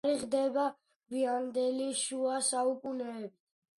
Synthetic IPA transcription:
ɾiʁd̪ɛba | ɡviand̪ɛliʃuasaukʼunɛːbit̪ʰ

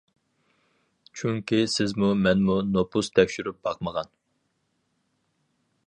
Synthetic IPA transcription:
t͡ʃʰyŋkʲisɪzmumɛnmunopʰust̪ʰɛkʲʃyɾyp̚b̥ɑqməʁɑn

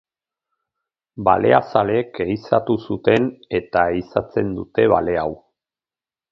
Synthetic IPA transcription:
ba̰le̞̰a̰sale̞keisat̪usut̪e̞ne̞t̪aisat͡se̞nd̪ut̪e̞βa̰le̞aw

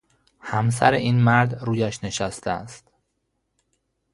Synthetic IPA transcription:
hæms̬æ̰ɾeʔiːnmæɾd̪ɾuːjæʃne̞ʃæst̪ʰeæ̰st̪

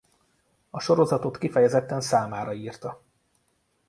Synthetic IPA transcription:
ɒʃo̞ɾo̞zɒt̪o̞t̪kifɛjɛzɛt̪ːɛnsaːmaːɾɒiːrt̪ɒ

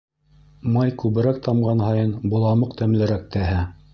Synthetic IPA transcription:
mɑjkʉβɘ̆ɾæk̚t̪ɑmɢɑnhɑjɤnbŭlˠɑmɤqt̪æmlɘ̆ɾæk̚t̪æɦæ

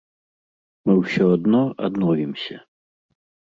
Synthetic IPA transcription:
mɨwsʲɔad̪nɔa̰d̪nɔvʲimsʲɐ

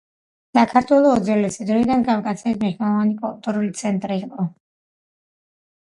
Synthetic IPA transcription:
sakʰaɾt̪ʰwɛlˠɔːd̪zɛlɛsid̪ɾɔid̪anɡafkʼat̪sʰɛismiʃnɛlˠɔvanipʼɔlt̪ʼɔɾulit̪sʰɛnt̪ʼɾiːqʼɔ

